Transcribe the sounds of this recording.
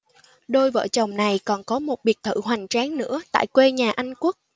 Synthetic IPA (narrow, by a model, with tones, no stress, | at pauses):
ɗo˧jvə̰ː˧˨t͡ɕə˨˩wŋ͡mna˨˩jkɔ˨˩nkɔ˨˦mo˨˩t̚ɓi˨˩ək̚t̪ʰɨ̰˧˩ɦwa˨˩jŋ̟t͡ɕaː˨˦ŋnɨ̰˧˥ət̪a̰ː˧˨jkwe˧ɲaː˨˩ʔa˧jŋ̟ku˦˥ək̚